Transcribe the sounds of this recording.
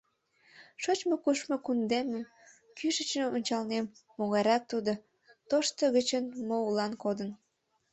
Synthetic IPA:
ʃot͡ɕmokuʃmokund̪eməm | kyʃət͡ɕnəonʲt͡ɕɑlnemː | oɣɑɾɑk̚t̪ud̪o | t̪oʃt̪əɣət͡ɕənmoulɑnkod̪ən

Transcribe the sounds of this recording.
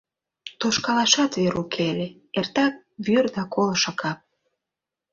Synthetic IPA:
t̪oʃkɑlɑʃɑt̪βeɾukʰele | ert̪ɑk̚βyrd̪ɑkolʃɑkɑp̚

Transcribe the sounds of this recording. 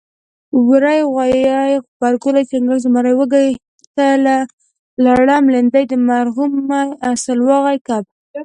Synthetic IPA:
wɾajɣwajɑjbaɾɡulajt͡ʃaŋɡalzmaɾajwəɡa | t̪ala | laɽɑmlend̪ajd̪əmaɾɦumajasalwɑɣajkab̚

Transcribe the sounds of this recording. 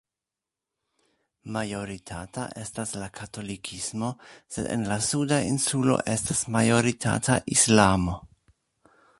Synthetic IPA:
majo̞ɾitʰaːta̰ʔestaslakʰatʰo̞likʰismo̞sḛdḛnlasudainsulo̰ʔestasmajo̞ɾitʰa̰ːtʰaʔislamo̞

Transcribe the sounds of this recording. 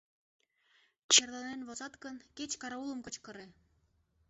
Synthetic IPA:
t͡ɕerlɑnenβozɑt̪kənket͡ɕkɑɾɑulə̆mkət͡ɕkə̆ɾe

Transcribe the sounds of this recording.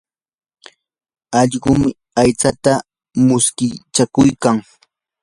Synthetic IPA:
ɑʎɢʊmɪ | ajt͡sat̪a | mʊskɪt͡ʃakʊjkaŋ

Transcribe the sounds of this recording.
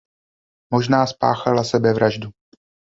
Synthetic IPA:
mo̞ʒnaːspa̰ːxalasɛbɛvɾaʒdu

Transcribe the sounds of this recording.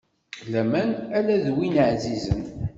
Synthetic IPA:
læmænælæðwinəʕzizə̰n

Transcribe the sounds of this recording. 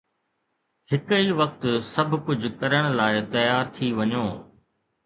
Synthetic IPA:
hɪkiʋɐk̚t̪sɐbʱʊkʊd͡ʑʱʊkɐɾəɽ̃laːɪt̪ɐjaːɾt̪ʰiʋɐɲoː

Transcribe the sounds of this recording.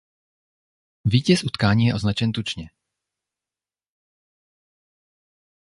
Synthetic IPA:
viːcɛsʔut̪kaːɲiːjɛʔo̞znat͡ʃɛnt̪ut͡ʃɲɛ

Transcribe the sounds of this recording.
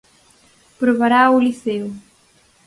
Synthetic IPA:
pɾoβaɾauliθeu

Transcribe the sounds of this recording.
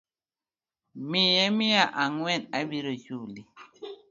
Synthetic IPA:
mijɛmiaʔaŋwɛnabiɾəjuli

